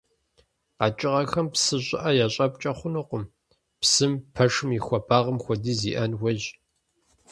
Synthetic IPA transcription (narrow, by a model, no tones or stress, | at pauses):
qat͡ʃʼɪʁɐxɐmpsɨɕʼɪ̰ʔɐjaːɕʼɐp̚ʼt͡ʃʼɐχʷʊnɨqʷʊm | psɨmpʰɐʂɨmjixʷɔpʰaːʁəmxʷɔdiːzḭːʔɐnwʷɐʒ